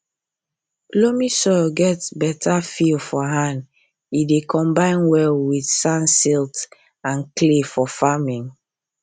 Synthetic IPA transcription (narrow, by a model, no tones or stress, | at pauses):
lomisɔɡɛtbɛtʰafilfɔɦãnd | idekʰɔ̃mbãɪ̃nwɛlwiθsãnsilt | ãnklefɔfamĩŋ